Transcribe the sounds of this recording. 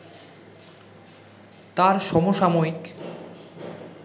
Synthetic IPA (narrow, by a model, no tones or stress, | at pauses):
t̪aɾʃɔmoʃamojik